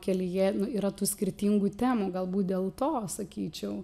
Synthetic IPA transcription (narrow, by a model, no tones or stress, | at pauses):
kʲɛlʲɪjiɛnʊiːɾɐt̪uːsʲkʲɪɾʲt̪ʲiːŋɡuːt̪ʲæːmuːɡɐlˠbuːt̪̚d̪ʲeːlˠt̪oːsɐkʲiːt͡ʃʲɛʊ